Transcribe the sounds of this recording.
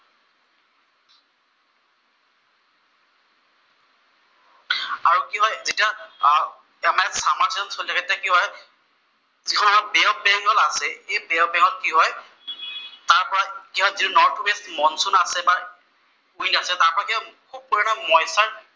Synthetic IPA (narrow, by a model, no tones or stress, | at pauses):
aɹukiɦɔjzita | ɛmaɛsamaɹtɔnsolitʰakɛtakiɦɔj | zikʰɔnamabɛɔbɛŋɡɔlasɛejbɛɔbɛŋɡɔlkiɦɔj | taɹpɔɹakiɦɔjzitunɔɹtʰwestmɔnsunasɛba | ujnasɛtaɹpɔɹakiaxop̚uɹɛnɔmɔjsaɹ